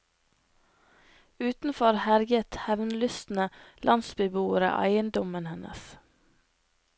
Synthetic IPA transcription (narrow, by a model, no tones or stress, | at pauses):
ʉːt̪n̩fɔɾhæɾɡət̪hɛʋnlʉst̪n̩əlʔɑnsbɪbuːəɾə̰ʔæ̰ɪənd̪ɔmənhɛnʔə̰s